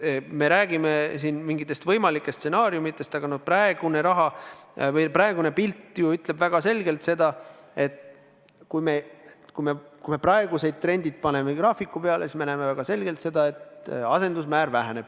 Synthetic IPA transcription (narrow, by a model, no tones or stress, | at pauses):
me̞ɾæːɡ̥ime̞sinmiŋɡit̪ːˑe̞st̪vɤjmɑlikˑːest̪se̞nɑːɾjumit̪ˑːe̞st̪ɑɡ̥ɑnoprɑeɡ̥une̞ɾɑɦɑvɤjprɑe̞ɡunepilt̪ːˑjuyt̪ˑle̞bvæɡ̥ɑse̞lɡe̞lt̪se̞d̪ɑe̞t̪ | kujme̞kujmekujme̞prɑe̞ɡ̥use̞jd̪̚t̪ɾe̞nd̪id̪̥̚pɑne̞meɡrɑːfikːˑupeɑlesismenæmevæɡ̥ɑse̞lɡe̞lt̪se̞d̪ɑe̞t̪ɑse̞nd̪us̬mæːɾvæɦæne̞b̥